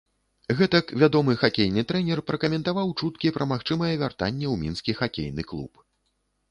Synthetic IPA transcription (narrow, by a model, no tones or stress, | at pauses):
ɣɛt̪ɐkvʲad̪ɔmɨxakʲejnɨt̪ɾɛnʲɛrpɾɐkɐmʲɛnt̪avawt͡ʂut̪kʲipɾɐmaxt͡ʂɨmɐjɛvʲart̪a̰nʲːɛwmʲinskʲixakʲḛjn̪ɨklˠṵp